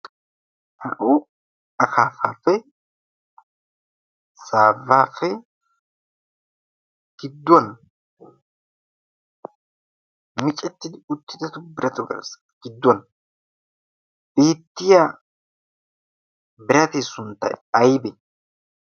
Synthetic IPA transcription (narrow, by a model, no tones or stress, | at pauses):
hɐ̰ʔʊ | ɐkaːfaːfɛ | saːvːaːfɛ | ɡ̥ɪd̪ːwɐn | mɪt͡ʃʼɛt̪ːɪd̪ɪʊt̪ːɪd̪ɐt̪ʊbɪɾɐt̪ʊɡɐ̰ɾs | ɡ̥ɪd̪ːwɐn | b̥e̞ːt̪ːɪjaː | bɪɾɐt̪esʊnt̪ːɐ̰ɐjbɛ